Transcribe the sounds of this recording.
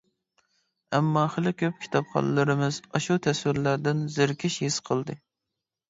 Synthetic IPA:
ɛmːɑχɪlˠɪkʲʰøp̚kʲʰi̥t̪ʰɑpχɑ̰nɨlˠɨɾɨmɨzɑʃut̪ʰɛswɪɾlæɾd̪ɪnzɪɾkʲʰɪʃhisqʰəlˠd̪ɨ

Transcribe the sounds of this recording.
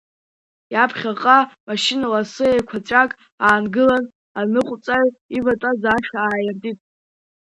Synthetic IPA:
japʰχʲaqʼamaʃinalasɨejkʷʰat͡ɕʷʼakʼ | aːnɡɨlan | anɨqʷʼt͡sʼaɥivatʼazaʃaːjartʼitʼ

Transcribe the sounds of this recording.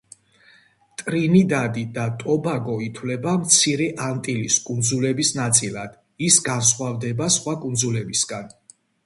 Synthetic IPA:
t̪ʼɾinid̪ad̪id̪at̪ʼɔbaɡɔit̪ʰwlɛbamt̪sʰiɾɛʔant̪ʼiliskʼund̪zulɛbisnat̪sʼilad̪̥ | isɡansχwavd̪ɛbasχwakʼund̪zulɛbisɡan

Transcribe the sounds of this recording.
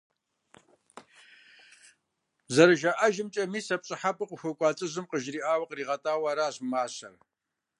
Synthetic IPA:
zɐɾɨʒaʔɐʒɪmt͡ʃʼɐmiːsɐpɕʼɪħapʰʼɨqʷʊxʷʊkʷʼɑːt͡sʼɨʑɨmqəʒriːʔaːwɐqriːʁɐtʼaːwaːɾaːɕmaːɕɐ̰r

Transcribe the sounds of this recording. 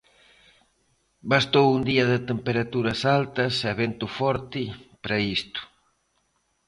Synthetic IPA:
bast̪owund̪iɐðɪt̪empeɾat̪uɾɐsalt̪ɐsɛβent̪ʊfɔɾt̪ɪpɾɐist̪ʊ̥

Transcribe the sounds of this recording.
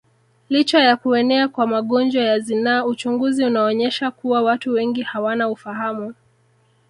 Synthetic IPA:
lit͡ʃajakuɛnɛakwamaɠɔnd͡ʒwajazinaːut͡ʃuŋɡuziunaɔɲɛʃakuwawatuwɛŋɡihawanaufaɦamu

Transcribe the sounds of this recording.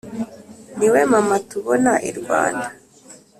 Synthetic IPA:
niwemamatuβonaʔḭɾɡwa̰ːnda

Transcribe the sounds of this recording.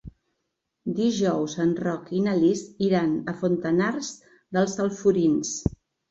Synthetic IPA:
d̪iʒɔwzənrɔkinəlisiɾanəfunt̪ənarz | ðəlˠsəlˠfuɾins

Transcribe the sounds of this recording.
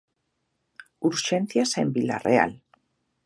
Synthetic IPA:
uɾʃenθjasembila̰rea̰l

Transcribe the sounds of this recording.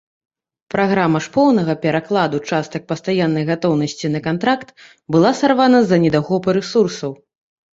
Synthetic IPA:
pɾaɣɾamɐʂpɔwnɐɣɐpʲɛɾaklˠad̪ut͡ʂast̪ɐk̚pɐst̪ajanːɐjɣat̪ɔwnɐsʲt͡sʲinɐkant̪ɾakt̪ | bɨlˠasarvanɐzɐnʲɛd̪aɣɔpɨɾɛsursɐw

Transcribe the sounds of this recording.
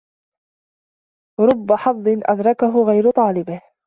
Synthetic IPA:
ɾˤʊbːaħɑðˤːɪnʔa̰d̪ɾˤɑkaɦʊɣajɾʊt̪ˤɑːlɪbɪh

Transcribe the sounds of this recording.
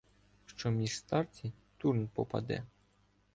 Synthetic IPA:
ʃt͡ʃɔmʲiʂst̪ɑrt͡sʲit̪urnpɔpɐ̰d̪ɛ̰

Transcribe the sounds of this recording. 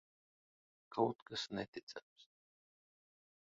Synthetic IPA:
kʰawt̪kasnɛt̪ʲit̪sæ̰ms

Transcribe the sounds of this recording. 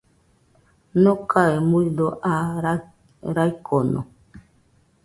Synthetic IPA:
nõkaemuidoʔa | ɾajkʰono̰

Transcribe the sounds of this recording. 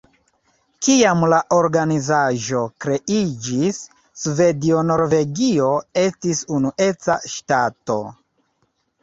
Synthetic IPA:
kiamlaʔo̞ɾɡanizaʒo̞kɾe̞ʔid͡ʒisː | ve̞dio̞no̞ɾve̞ɡio̞e̞stisunuʔe̞t͡sa̰ʃtato̞̰

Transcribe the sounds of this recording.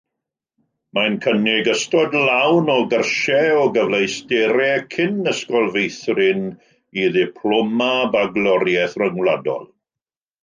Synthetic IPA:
mankʰənɪɡəstɔdlawnɔɡərʃɛɔɡəvlejstɛɾɛkʰɪnəskɔlˠvejθrɪn | iðɪpʰlɔmabaɡlˠɔɾjɛθrəŋwlˠadɔ̰lˠ

